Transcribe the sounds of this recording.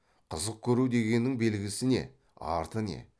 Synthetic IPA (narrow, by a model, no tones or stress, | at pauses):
qʰəzəq̚kʲʰɵɾud̪e̞ɡʲe̞nːɪŋbe̞lɡʲɪsɪne̞̰ | ɑ̰ɾt̪əne̞̰